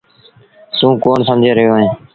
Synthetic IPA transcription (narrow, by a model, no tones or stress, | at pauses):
sũːkoːnsəmd͡ʒʱeːɾəɦjoːɦẽː